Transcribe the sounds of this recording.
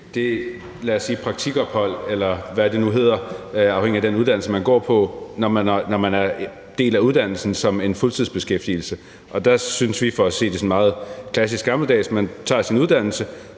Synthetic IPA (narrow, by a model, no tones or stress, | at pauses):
d̥e̝ | læːɐsːiːpʰʁɑ̈ɡ̥̚t͡sʰiɡ̥ɒ̽b̥hɒ̽l̰elɐʋæd̥e̝nuɦe̝ð̰ˠɐɑ̈ʊheŋ̰iæd̥enuð̞ˠd̥ænl̩səmænɡ̥ɒ̰ːpʰɒ̽nɒnɒmænæɐ | d̥e̝̰ːlæuð̞ˠd̥æn̰l̩sn̩sɒ̽me̝nfɔlt͡sʰið̰ˠsb̥e̝sɡ̥efd̥iːl̩sə | ʔɒ̽d̥æ̈synsʋifɒ̽æse̝̰ːd̥e̝sɒ̽nmɑ̈ːð̞̩ˠkʰlæsisɡ̥ɑ̈ml̩d̥ɛ̰ːsmænt͡sʰɑ̰̈ːsinuðˠd̥æn̰l̩sə